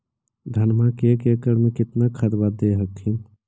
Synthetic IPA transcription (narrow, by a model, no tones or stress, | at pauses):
d̪ʱənmãkekekəɾmekit̪nakʰəɾbad̪eɦəkʰin